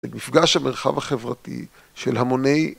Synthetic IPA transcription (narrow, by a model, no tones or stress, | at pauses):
elmifɡaʃhameʁχa̰vhaχevʁatḭ | ʃelhamone̞j